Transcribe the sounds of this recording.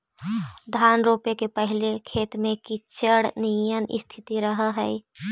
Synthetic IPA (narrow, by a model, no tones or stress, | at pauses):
d̪ʱaːnɾoːpekepəɦɪlekʰeːt̪mẽkit͡ʃəɽnijənʔɪ̰st̪ʰɪt̪iɾəɦəɦəi